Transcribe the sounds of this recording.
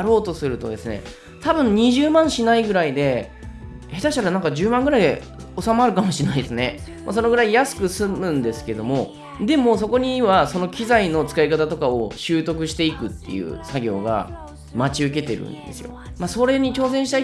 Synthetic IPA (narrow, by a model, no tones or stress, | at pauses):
ɾo̞ːt̪o̞sɨɾɯ̟t̪o̞̰d̪e̞sɨne̞̰ | t̪abɯ̟̃ɲ̟ɲ̟iʑɨːmãɰ̃ɕinaiɡɯ̟ɾaid̪e̞ | het̪aɕi̥t̪aɾanãŋkad͡ʑɨːmãŋɡɯɾaid̪ḛ | o̞samːɾɯ̟kamo̞ɕinaid̪esɨne̞mʔa̰s̬o̞no̞ɡɯɾaijasɨ̥kɯ̟sɨmɯ̟̃nd̪e̞sɨ̥ke̞d̪o̞mo̞ | d̪e̞mo̞s̬o̞ko̞ɲ̟iβaso̞no̞kʲizaino̞t͡sɨ̥kaikat̪at̪o̞kao̞ɕɨːt̪o̞kɯ̟ɕi̥t̪e̞ikɯ̟t̪ːe̞̰jɯ̰ːsaɡʲo̞̰ːɡa̰ | mat͡ɕiɯ̟k̬e̞t̪e̞ɾɯ̟̰̃nd̪e̞sɨjo̞̰maso̞ɾe̞ɲ̟it͡ɕo̞ːzẽɕi̥t̪a